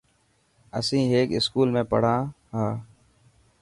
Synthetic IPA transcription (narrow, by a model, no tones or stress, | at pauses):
əsĩːɦeːkɪskuːlmẽːpə̰ɽ̤ãː | ɦãː